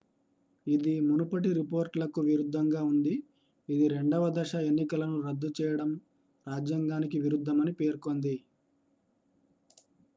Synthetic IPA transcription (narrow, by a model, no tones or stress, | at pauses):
id̪imunupɐʈiɾipo̞ːɾʈlɐkuʋiɾud̪ʱːɐŋɡaːund̪iː | d̪iɾe̞ɳɖɐʋɐd̪ɐʂɐe̞nːikɐlɐnuɾɐd̪ːut͡ʃɛːjɐɽɐm | ɾaːd͡ʒjɐŋɡaːnikiʋiɾud̪ʱːɐmɐnipeːɾko̞nd̪i